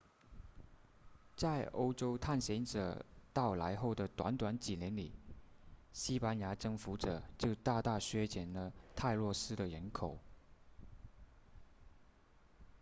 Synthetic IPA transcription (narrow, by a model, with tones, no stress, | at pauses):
t͡sa˥˩ɪʔo˥ʊʈ͡ʂo˥ʊt̪ʰa˥˩nɕjɛ˧˥nʈ͡ʂɤ̰˨˩t̪ɑ˥˩ʊla̰˧˥ɪxo˥˩ʊd̪ə˩t̪wa̰˧˥nt̪wa˧˥nt͡ɕi˨˩njɛ˧˥nlḭ˨˩ | ɕi˥pa˥nja˧˥ʈ͡ʂɤ˥ŋfu˧˥ʈ͡ʂɤ˨˩t͡ɕjo˥˧ʊt̪a˥˧t̪a˥˩ɕɥɛ˥t͡ɕjɛ˨˩nlə˦t̪ʰa˥˧ɪlwɔ˥˩ʂɻ̩˥d̪ə˨ɻə˧˥nkʰo˨˩˦ʊ